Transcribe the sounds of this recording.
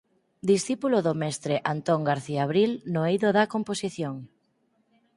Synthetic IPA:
d̪isθipuloðomɛst̪ɾeʔant̪oŋɡaɾθiaβɾilnoejðoðakomposiθjoŋ

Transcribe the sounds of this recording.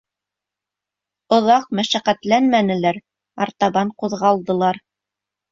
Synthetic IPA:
ŏðɑqmæʃæqæt̪lænmænɘ̆læɾ | ɑ̰ɾt̪ɑβɑɴquðʁɑlˠd̪ɤ̆lˠɑɾ

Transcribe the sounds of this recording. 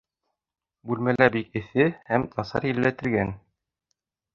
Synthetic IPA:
bʉlmælæbikɘ̆θɘhæmt̪ʰɑsɑ̰ɾjɘ̆lːæt̪ɘ̆lɡæn

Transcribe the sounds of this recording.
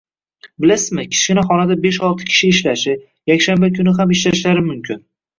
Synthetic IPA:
bɪlasɪzmɪkʲʰɪ̥ʃɪnɪχɒnad̪abeʃɒlˠt̪ʰɪ̥kʲʰɪ̥ʃɪːʃlaʃɪ | jakʲʃambakʲʰʊnɪɦamɪʃlaʃlaɾɪmʊmkʲʰɪn

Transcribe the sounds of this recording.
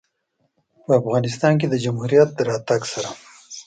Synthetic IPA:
pəafɣɑnɪst̪ɑnk̬ed̪əd͡ʒamhuɾijat̪̚d̪əɾɑt̪aɡsaɾa

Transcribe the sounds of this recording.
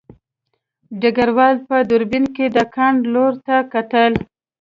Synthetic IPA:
ɖaɡaɾwɑlpəd̪ʊɾbɪnked̪əkʰaɳɖloɾt̪akat̪əl

